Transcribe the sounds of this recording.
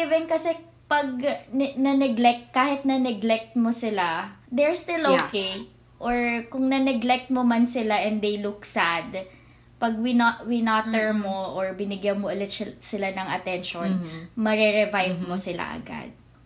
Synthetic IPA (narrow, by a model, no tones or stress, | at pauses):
ɪvɛnkɐsɛ | pɐɡ̚nɐnɛɡlɛk̚t̪̚kaːhɪt̪̚nɐnɛɡlɛk̚t̪mosɪlad̪ɛɹst̪ɪlʔokej | ʔoɹkʊŋnɐnɛɡlɛk̚t̪̚momɐnsɪlaʔɛnd̪d̪ejlʊksad̪ | pɐɡ̚wɪnwɪnat̪ɛɹmoʔoɹbɪnɪɡjamoʔɐlɪt̪̚ʃsɪlanɐŋɐt̪ɛnʃonmɐɾɛɹɛvajvmosɪla̰ʔɐ̰ɡa̰d̪̚